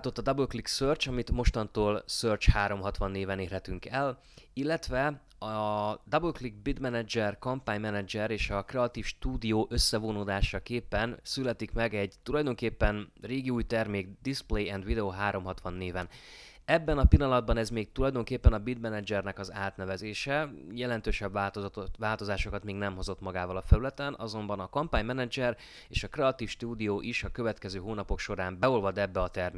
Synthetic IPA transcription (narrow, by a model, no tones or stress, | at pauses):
t̪o̞t̪ːɒd̪ɒbølkliksøːrt͡ʃɒmit̪mo̞ʃt̪ɒnt̪oːlsøːrt͡ʃhaːɾo̞mɦɒt̪ʋɒnːeːvɛneːrɦɛt̪yŋkɛl | ilːɛt̪ʋɛ | ɒd̪ɒbølklik̚bid̪mɛnɛd͡ʒɛrkɒmpaːɲmɛnɛd͡ʒɛɾeːʃɒkrɛɒt̪iːfʃt̪uːd̪ijoːʔø̞sːɛvoːnoːd̪aːʃɒkeːpːɛnsylɛt̪ikmɛɡɛɟt̪ulɒjd̪o̞ŋkeːpːɛnreːɡiuːjt̪ɛrmeːɡd̪isplejɛnd̪ʋid̪ɛoːɦaːɾo̞mɦɒt̪ʋɒnːeːvɛn | ɛbːɛnɒpilːɒnɒd̪̚bɒnɛzmeːk̚t̪ulɒjd̪o̞ŋkeːpːɛnɒbid̪mɛnɛd͡ʒɛrnɛkɒzaːt̪nɛvɛzeːʃɛjɛlɛnt̪øːʃɛbːaːt̪t̪ot̪vaːlt̪o̞zaːʃo̞kɒt̪meːɡnɛmɦo̞zo̞t̪mɒɡaːvɒlɒfɛɾylɛt̪ɛnʔɒzo̞mbɒnɒkɒmpaːɲmɛnɛd͡ʒɛr | eːʃɒkrɛɒt̪iːfʃt̪uːd̪ijoːʔiʃɒkø̞vɛt̪kɛzøːɦoːnɒpo̞kʃo̞ɾaːmbɛolvɒd̪ɛbːɛɒt̪ɛrmeː